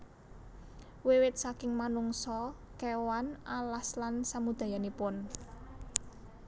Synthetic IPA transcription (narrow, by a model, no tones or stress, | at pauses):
wewɪt̪̚sakɪŋmanuŋsɔ | kewanalaslansamud̪̥ä̤janipʊn